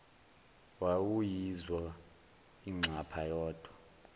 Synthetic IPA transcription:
wawujizwa | iŋ͡ǀʱapʰajɔːd̥ʱwa

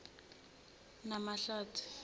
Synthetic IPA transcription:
namaɬaːtʰu̥

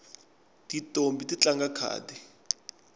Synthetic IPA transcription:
titʼombitit͡ɬaŋɡakʰa̰ːdi

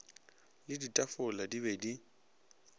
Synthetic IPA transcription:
lɪditʼafʊladibedi

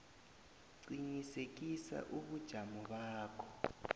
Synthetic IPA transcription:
ǀiɲisek̬isa̰ʔuɓud̥ʒ̥ʱamɔɓaːkʰɔ̥

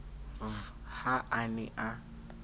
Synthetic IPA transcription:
vhaʔaniʔa

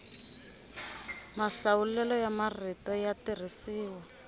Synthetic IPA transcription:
maɬawulɛlɔjamaritɔjatir̤isiːwɔ

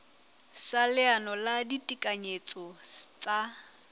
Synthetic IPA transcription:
salɪanɔladitʼikʼaɲet͡sʼɔt͡sʼa

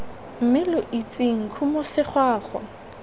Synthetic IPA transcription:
m̩mɪlʊʔit͡sʼiŋ̩kʰumɔsɪχwaːχwa

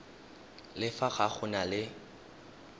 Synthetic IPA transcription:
lɪfaɣaχʊnalɪ

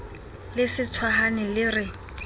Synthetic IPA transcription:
lɪsɪt͡sʰwaɦanɪlɪrɪ

